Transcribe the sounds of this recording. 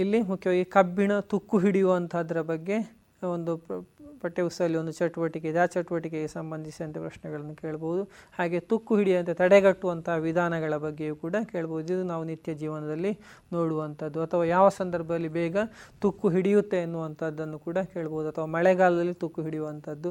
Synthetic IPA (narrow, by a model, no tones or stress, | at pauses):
ilːimukʰjɐʋaːɡikɐbːiɳɐt̪ukːuɦiɽijuʋɐnt̪ʰaːd̪ɐɾɐbɐɡːe̞ | ond̪upɐʈːeʋusɐɐlːio̞nd̪ut͡ʃɐʈːuʋɐʈik̬ed̪aːt͡ʃɐʈuʋɐʈik̬eɡesɐmbɐnd̪ʱisiɐnt̪epɾɐʃnɛɡɐɭɐnːuke̞ːɭɐboʋud̪uhaːɡe̞t̪ukːuɦiɽijɐnt̪et̪ɐɽeɡɐʈːuʋɐnt̪ɐɦaʋid̪ʱaːnɐɡɐɭɐbɐɡːe̞juːkuːɽɐke̞ːɭɐboud̪id̪unaːʋunit̪jɐd͡ʒiːʋɐnɐd̪ɐlːi | noːɽuʋɐnt̪ʰɐd̪ːuɐt̪ʰɐʋaːjaːʋɐsɐnd̪ɐɾbʱɐd̪ɐlːibɛːɡɐt̪ukːuɦiɽijut̪ːeːnːuʋɐnt̪ʰɐd̪ːɐnːukuːɽɐke̞ːɭɐboʋud̪uɐt̪ʰɐʋaːmɐɭɛɡaːlɐd̪ɐlːit̪ukːuɦiɽijuʋɐnt̪ʰɐd̪ːu